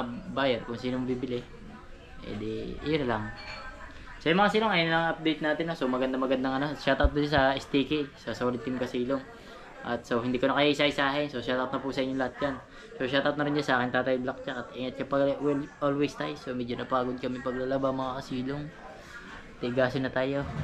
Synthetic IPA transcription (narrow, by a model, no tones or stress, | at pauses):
baːjɐɾkʊŋsiːnomɐbibɪlɪ | ɛ̰d̪ɛ̰jonɐlɐŋ | sojʊmɐŋasiːloŋɐjʊnlɐŋɐp̚d̪ejt̪̚naːt̪ɪnːosomɐɡɐnd̪amɐɡɐnd̪ɐŋɐnoʃat̪ɐʔot̪̚nɐd͡ʒasɐɪst̪iːkɛsasɐwɐlɪnt̪ɪmkɐsiːloŋ | ʔɐt̪̚so̞hɪnd̪iːkonɐkɐjaɪsajsaːhɪnsoʃat̪ɐʔot̪nɐpusɐʔɪɲːʊŋlɐat̪̚d͡ʒan | so̞ʃat̪ɐʔot̪nɐɾɪnd͡ʒansɐʔaːkɪŋt̪aːt̪ɐjblɐk̚t͡ʃakɐt̪ʔɪŋɐt̪̚t͡ʃapɐʔolwejst̪ajsomɛːd͡ʒonɐpaːɡod̪̚kɐmɪpɐɡlalɐbamɐŋakɐsiːloŋ | t̪ɪɡaːsɪnːɐt̪aːjo̞